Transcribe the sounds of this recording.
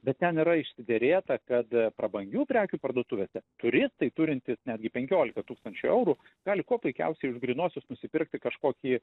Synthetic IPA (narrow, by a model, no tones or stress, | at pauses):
bʲɛt̪t̪ʲɛnɪɾɐɪʃʲsʲɪd̪ʲeɾʲeːt̪ɐkɐt̪pɾɐbɐŋʲɡʲuːpʲɾʲæːkʲuːpɐrd̪uɔt̪ʊʋʲeːsʲɛt̪ʊɾʲɪst̪ɐɪt̪ʊɾʲɪnʲt̪ʲɪsnʲæːd̪ʲɡʲɪpʲɛŋʲkʲoːlʲɪkɐt̪uːkst̪ɐnʲt͡ʃʲʊɛʊɾuː | ɡ̥ɑːlʲɪkuɔpʊɪkʲɛ̰ʊsʲɛɪʊʒɡɾʲɪnuɔsʲʊsnʊsʲɪpʲɪrk̚t̪ʲɪkɐʃkoːkʲiː